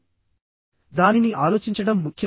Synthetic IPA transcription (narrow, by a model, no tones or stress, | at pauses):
d̪aːniniʔaːlo̞ːt͡ʃiɲt͡ʃɐɽɐmːukʰjɐ